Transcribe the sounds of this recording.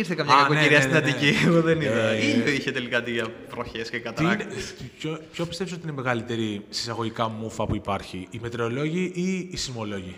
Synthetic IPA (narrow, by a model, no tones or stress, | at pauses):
iɾθekɐmɲɐɐkoneiɾiɐstinɐnt̪icieɣoðeniðɐieiçet̪elikɐt̪iʝɐvɾoçescekɐt̪ɐiɐnepçopço̞pist̪e̞fsot̪iinemeɣɐlit̪e̞ɾisi̥sɐɣo̞ʝikɐmufɐpuipɐɾçiːmet̪ɾeo̞lo̞ʝiʔiːsimo̞lo̞ʝi